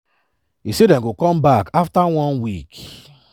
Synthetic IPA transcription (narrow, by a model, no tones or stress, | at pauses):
isedɛ̃nɡokɔ̃mbakʰaftawɔ̃nwik